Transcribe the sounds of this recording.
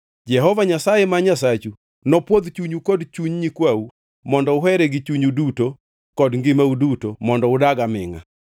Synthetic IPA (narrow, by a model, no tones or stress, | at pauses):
d͡ʒɛɦɔvaɲasajɛmaɲasat͡ʃu | nɔpwod̪t͡ʃuɲukɔdt͡ʃuɲɲikwau | mɔndɔʊɦɛɾɛɡɪt͡ʃuɲuduto | kɔdŋɡɪmaudutomɔndɔʊdaɡamɪŋa̰